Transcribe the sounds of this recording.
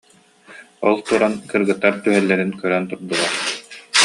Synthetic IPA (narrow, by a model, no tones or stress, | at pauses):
ɔlˠt̪uɾankɯɾɡɯt̪ːaɾt̪yɦœlːɛɾinkœɾœnt̪uɾd̪ulˠaɾ